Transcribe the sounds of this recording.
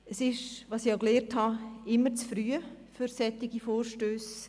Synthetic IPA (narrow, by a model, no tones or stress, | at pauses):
əsɪʃʋɑsiokleːrthɑɪmːət͡sfɾyəfyɾsɛt̪ːɪɡ̥ifoːɾʃtøːs